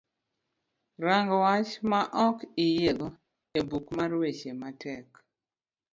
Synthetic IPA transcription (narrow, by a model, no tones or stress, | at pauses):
ɾaŋɡwat͡ʃmaʔɔkijeɡo | ebukmaɾwet͡ʃematʰɛk